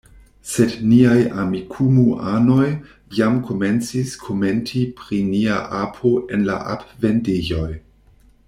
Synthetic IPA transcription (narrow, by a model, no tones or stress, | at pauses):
se̞dniaja̰mikʰumuʔano̞j | jamkʰo̞me̞nt͡siskʰome̞ntʰipɾiniaʔapʰoʔe̞nla̰ʔa̰pve̞ndeʒo̞j